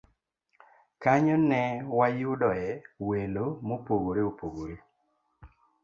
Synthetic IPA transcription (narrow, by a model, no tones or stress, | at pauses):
kaɲɔnɛwajʊdɔɛwelomopoɡoɾeopoɡoɾe